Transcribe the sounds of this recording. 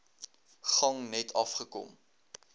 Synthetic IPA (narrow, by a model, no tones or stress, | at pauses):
χɐŋnɛtʰɐfχəkɔ̰m